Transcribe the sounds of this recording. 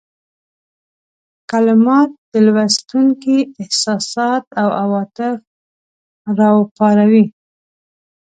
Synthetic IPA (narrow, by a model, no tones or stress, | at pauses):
kalɪmɑt̪̚d̪̥əlwast̪uŋkiɪhsɑsɑt̪awawɑt̪ɪf | ɾɑwəpɑɾawi